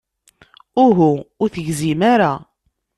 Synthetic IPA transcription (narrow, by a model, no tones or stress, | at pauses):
ʊɦuʊɾθəʝzimaɾa